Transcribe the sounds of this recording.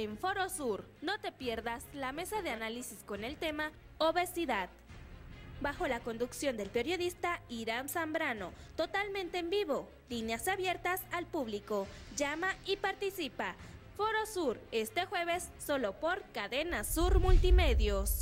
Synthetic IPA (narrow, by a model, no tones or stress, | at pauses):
eɱfo̞ɾosuɾno̞t̪e̞pje̞ɾðaslame̞saðe̞analisisko̞nelt̪e̞ma | oβe̞siðað | baxo̞lako̞nd̪uksjo̞nd̪e̞lpe̞ɾjo̞ðist̪aiɾamsambɾano̞t̪ot̪almẽnt̪eːmbiβo̞ | linjasaβje̞ɾt̪asalpuβliko̞ʝamaipaɾt̪isipa | foɾo̞suɾe̞st̪e̞xwe̞βe̞sːo̞lo̞poɾkaðenasuɾmult̪imeðjos